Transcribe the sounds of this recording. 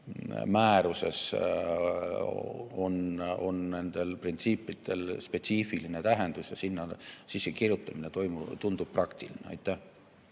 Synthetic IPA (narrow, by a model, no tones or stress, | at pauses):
mæːɾuse̞̰s | o̞̰no̞̰nne̞nd̪̥e̞lprint̪siːpːˑid̪̥e̞lspe̞t̪siːfiline̞t̪æɦe̞nd̪̥usjɑ̰sinːɑsisːekirjut̪ːˑɑminet̪o̞jmut̪und̪ub̥̚prɑkt̪ilineɑ̰jt̪ˑːæh